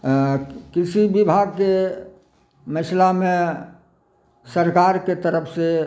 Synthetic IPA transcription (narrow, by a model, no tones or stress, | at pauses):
kɪsibɪbʱaɡ̚ke | məslamẽ | səɾkaːɾket̪əɾəpʰse